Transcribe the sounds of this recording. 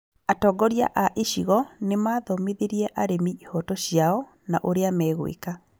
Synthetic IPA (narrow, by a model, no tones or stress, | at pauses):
atɔɡɔɾia̰ʔaʔeʃiɣɔnemaːðɔmeðeɾiɛʔaɾemihɔtɔɕjaɔ | naʔoɾeamɛːɣw̰ḛka